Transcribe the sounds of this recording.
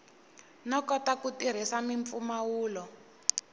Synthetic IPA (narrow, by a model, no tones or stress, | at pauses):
nɔkɔtakutiɾ̤isamiɱfumawuːlɔ